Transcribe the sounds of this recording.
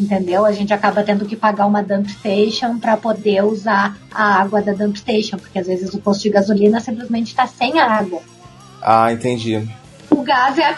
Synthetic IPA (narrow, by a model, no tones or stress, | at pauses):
ẽnt̪ẽnd̪ewɐʒẽnt͡ʃɪakabɐt̪ẽnd̪ʊkɪpaɡaũmɐd̪ɐ̃pt̪ejʃõw̃pɾɐpod̪euzaɐ̰aɡwɐd̪ɐd̪ɐ̃pɪ̥t̪ejʃõw̃poɾkʲeazvezɪzʊpost̪ʊd͡ʒɪɡazulĩnɐsĩmp̬lɪzmẽnt͡ʃɪ̥t̪asẽj̃ɐaɡwɐ | a̰ẽnt̪ẽnd͡ʒi | ʊɡazɛ